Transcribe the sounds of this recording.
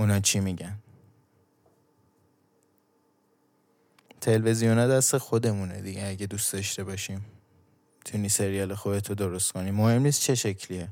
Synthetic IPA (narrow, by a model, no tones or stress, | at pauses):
unɒt͡ʃʰimiːɟæn | t̪ʰe̞lve̞zijonɒd̪æst̪exod̪e̞munḛd̪iɟeæɟed̪uːst̪d̪ɒʃt̪e̞bɒʃiːm | mmit̪ʰuniːse̞ɾijɒːlexobet̪ʰɾod̪oɾost̪kʰoniːmohe̞mniːst̪̚t͡ʃʰe̞ʃecʰlie